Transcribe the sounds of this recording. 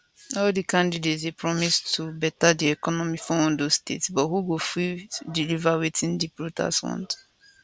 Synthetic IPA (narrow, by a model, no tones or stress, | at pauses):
ɔldikãndidetsepɹɔmistʰubɛtadiɛkɔnɔmifɔ̃ndostḛtsbɔtɦuɡofidilivawitĩndipɹuta̰sfɔ̰̃nd